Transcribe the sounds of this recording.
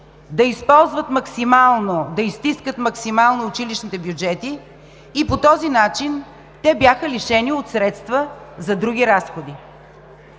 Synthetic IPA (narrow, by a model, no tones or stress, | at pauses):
d̪ɐispɔlˠzvət̪mɐksimalˠnod̪ɐist̪iskət̪mɐksimalˠnoːt͡ʃiliʃnit̪ɛbjud͡ʒɛt̪iː | pot̪ɔzinat͡ʃin | t̪ɛbjaxəliʃɛniot̪sɾɛt̪st̪vəzɐd̪ɾuɡ̟ʲiɾasxod̪i